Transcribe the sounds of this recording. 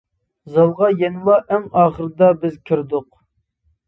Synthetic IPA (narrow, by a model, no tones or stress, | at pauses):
zɑlˠʁɑjɛnlˠɑʔɛŋɑːχəɾd̪ɑbɪzkʲʰiɾd̪ʊq